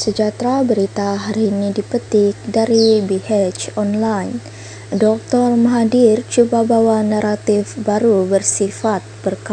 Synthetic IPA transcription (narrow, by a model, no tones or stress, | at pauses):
səd͡ʒat̪ɾabəɾit̪aɦaɾinidipət̪ɪk̚daɾibihɛt͡ʃɔnlajn | dɔk̚t̪ɔrmaɦadirt͡ʃubabawanaɾat̪ɪfbaɾubərsifat̪̚bərka